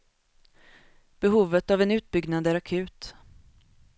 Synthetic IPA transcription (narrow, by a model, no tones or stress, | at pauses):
b̥ɛɦuːvət̪avɛnʉ̟ːt̪̚bʏɡnand̪əæɾakʰʉ̟ːt̪